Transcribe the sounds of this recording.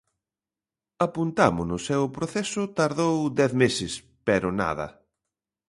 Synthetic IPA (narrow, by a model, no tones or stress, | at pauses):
apunt̪amʊnʊsɛwʊpɾoθɛsʊt̪aɾðowd̪ɛθmesɪs | pɛɾʊna̰ðɐ̰